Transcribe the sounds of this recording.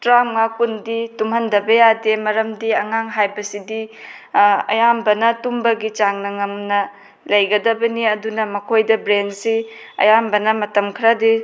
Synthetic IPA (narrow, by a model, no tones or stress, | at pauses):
tɾaŋŋakunditumhɐndɐbɐjademɐɾɐmdiɐŋaŋɦajbɐsidi | ɐ̰jambɐnɐtumbɐɡit͡ʃaŋnɐŋɐŋnɐ | lɐjɡɐdɐbɐniɐdunɐmɐkʰojdɐbɾensi | ɐ̰jambɐnɐmɐtɐmkʰɾadi